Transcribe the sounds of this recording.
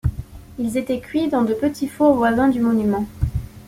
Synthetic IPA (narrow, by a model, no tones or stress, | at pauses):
ilzet̪ɛkʲɥid̪ɑ̃d̪əpət̪ifovwazɛ̃d̪ymɔnymɑ̃